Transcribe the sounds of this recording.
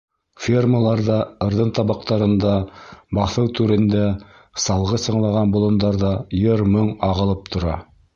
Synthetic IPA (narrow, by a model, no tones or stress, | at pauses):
fʲirməlˠɑɾðɑɤ̆ɾðɤnt̪ɑβɑq̚t̪ɑɾɤ̆nd̪ɑbɑθɤwt̪ʉɾɘ̆nd̪æ | sɑlˠʁɤsɤ̆ɴlˠɑʁɑnbŏlˠŏnd̪ɑɾðɑjɤɾmɤŋɑʁɤ̆lˠɤp̚t̪ʰŏɾɑ